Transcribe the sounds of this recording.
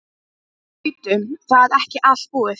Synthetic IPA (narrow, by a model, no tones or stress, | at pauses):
t̪ʏmθaðɛhcɪʔal̥t̪̚puːðɪθ